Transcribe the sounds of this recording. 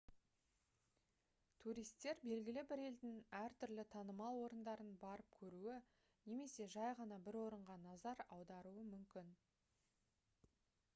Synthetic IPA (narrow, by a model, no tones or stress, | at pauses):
t̪ʰuɾijst̪ːe̞ɾbe̞lɡʲɪlɪbɪɾe̞ld̪ɪŋæɾt̪ʰʏɾlɪt̪ʰɑnəmɑlˠwo̞ɾənd̪ɑɾənbɑɾəp̚kʲʰɵɾuɪ | ne̞me̞se̞ʒɑjʁɑnɑbɪɾwo̞ɾəɴʁɑnɑzɑɾɑwd̪ɑɾuəmʏmkʲɪn